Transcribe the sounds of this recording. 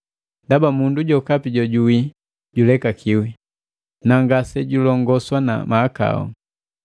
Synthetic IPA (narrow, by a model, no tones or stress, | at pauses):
ndabamunduɟɔkapiɟɔɟuwi | ɟulɛkakʰiwi | naŋɡasɛɟulɔŋɡɔswana̰maːka̰ɔ̰